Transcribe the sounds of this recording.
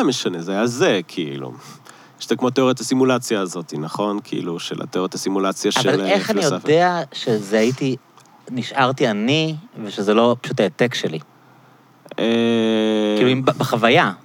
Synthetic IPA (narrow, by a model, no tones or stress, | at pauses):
ameʃanezeajazekʰiḭlṵ | jeʃt̪akmot̪eoʁet̪asimulat͡sjaːzo̞t̪inaχo̞nkʰiʔḭluʃela̰t̪eoet̪hasimulat͡sjaʃavealeχanijofdeaʃe̞zehaiti | niʃʔaʁt̪ianiveʃezelo̞pḁʃutaet̪ekʃeli | e | iluimbbeχavaja